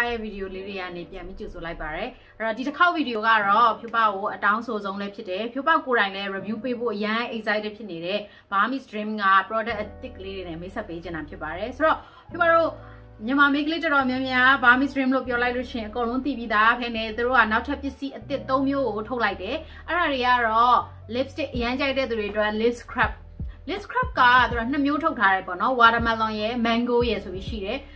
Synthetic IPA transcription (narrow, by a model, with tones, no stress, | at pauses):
a˦˨jɛ˦˨vi˨di˨jo˨le˦ɹe˨ja̰˦˨ne˨pjã˨mpi˦t͡ɕo˨zo˨la˦ɪpːa˨ɾɛ˨ | ʔɛ˦ɹɔ˦˨di˨təkʰa˦ʊʔvi˨di˨o˨ɡa˦˨ɹɔ˦˨pʰjo˦˨pa̰˦˨ɡo˨ʔətã˦ʊ̃nsʰo˨zõ˦ʊ̃lɛ˦pʰjɪ˦tːɛ˨pʰjo˦pa˦˨ko˨ɾã˨ɪ̃lɛ˦ɹe˨bju˦pe˦bo̰˦˨ʔəjã˦ʔe˨sa˦ti˦pʰjɪ˦ʔne˨ɾɛ˦˨ | b̥a˨˦mḭ˦˨sdɹɪ̃˦mɡa̰˦˨pəɹɔ˦dɛ˦ʔt̪ɪ˦ʔkːəle˦ɾe˨nɛ˦˨mẽ˦sʰɛ˦pːe˦d͡ʑɪ̃˨nda˨pʰjɪ˦pːa˨ɾɛ˨so˨ɹɔ˦˨ | pʰjo˦pa˦˨ɹo˦˨ | mjə˨ma˨me˦kəle˦tə˨tɔ˨mjã˦mja˦ba˨˦mḭ˦˨sdɹɪ̃˦mlo̰˦˨p̬jɔ˦la˦ɪlo̰˦˨ʃɪ̃˦˨ɪ̃˨əkõ˨lõ˦ʊ̃˦t̪ḭ˦˨pji˦d̪a˦˨pʰɛ˦nɛ˦˨t̪u˨ɾo̰˦˨ɡa˦˨na˦ʔtʰɛ˦˨pjɪ˦˨si˦ʔət̪ɪ˦ʔt̪ːõ˦ʊ̃mjo˦ɡo˨tʰo˦ʊʔla˦ɪtɛ˨ | ʔɛ˦ɹa˨ɹe˨ɡa˦˨ɹɔ˦ | lɪ˦pste˦˨ʔəjã˦ɲt͡ɕa˦ɪtɛ̰˦˨d̪u˨e˨ʔə˨twɛ˦˨lɪ˦skʰɹɛ˦˨p̚ | lɪ˦skʰɹɛ˦˨p̚ka˦˨t̪u˨a˦˨n̥ə˨mjo˦tʰo˦ʊtʰa˦ɾɛ˨pɔ˦˨nɔ˦wa˨ɾə˨mã˨lɔ̃˨jɛ˦˨mã˦ŋɡo˦jɛ˨so˨bi˦ʃḭ˦˨ɾɛ˨